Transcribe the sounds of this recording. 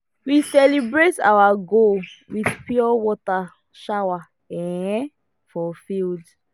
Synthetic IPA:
wisɛlibɹeta̰waɡowiðpjɔwɔta | ʃawa | ɛ̃ | fɔfild

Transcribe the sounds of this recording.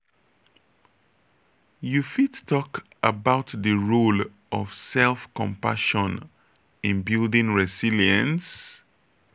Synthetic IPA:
jufittʰɔk | əbaʊtðəɹul | ʔɔv̥sɛlˠfkɔ̃mpa̰ʃɔ̃n | ɪ̃nbildɪ̃ŋɹɛsiliə̃ns

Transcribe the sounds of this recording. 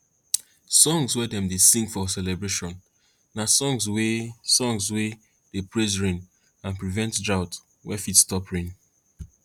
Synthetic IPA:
sɔ̃ŋzwɛdɛ̃mdesĩŋɡfɔsɛlɛbɹeʃɔ̃nː | asɔ̃ŋzwesɔ̃ŋzwe | d̥epɹezɹĩn | ãnpɹivɛ̃ntdɹaʊt | wɛfitstɔpɹĩn

